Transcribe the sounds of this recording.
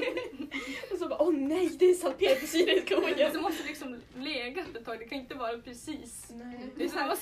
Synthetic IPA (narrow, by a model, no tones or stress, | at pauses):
ɔsɔbɑːʔɔnɛjd̪ɛːsalpʰeːɾapʰɔsiːɾɪskuːɡəd̪mɔst̪əlɪksɔmleːɡaɛt̪ːɛt̪ʰːɑːɡd̪ɛkʰanɪnt̪əvɑːɾapʰɾɛsiːsɛd̪ɛsmːa